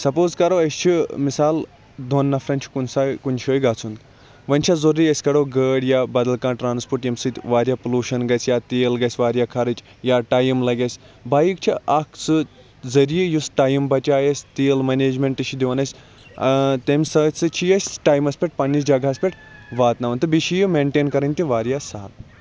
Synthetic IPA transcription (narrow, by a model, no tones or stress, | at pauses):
sɐpoːzkɐɾoːɐsʲt͡ʃʰimisaːl | d̪ʱonːɐfɾɐnʲt͡ʃʰi̥kunsakunʲt͡ʃʰoːjɡaːt͡sʰund̪ | ʋɐnʲt͡ʃʰazoriɐsʲkɐɽoɡəːɽjabɐd̪ɐlkãːʈɾaːnspoɾʈjimsɨt̪ʲʋaːɾʲjaːpuluːʃɐnɡɐsʲjat̪eːlɡɐsʲʋaːɾʲjaːkʰɐɾɨt͡ʃ | jaːʈaːjimlɐɡʲɐsʲ | baːjik̚t͡ʃʰiɐkʰt͡sɨ | zɐɾijijusʈaːjimbɐt͡ʃaːjɐsʲt̪eːlmɐneːd͡ʒmʲeɳʈɨʃid̪iʋɐnɐsʲ | t̪emʲsɐt͡sɨt͡ʃʰijɐsʲʈaːjmɐsʲpʲeʈ̚pɐnʲːisd͡ʒɐɡaɐsʲpʲeʈ | ʋaːt̪naʋɐnt̪ɨbiʃijimeɳʈeːnkɐɾɐnʲt̪ʲiʋaːɾjasaːl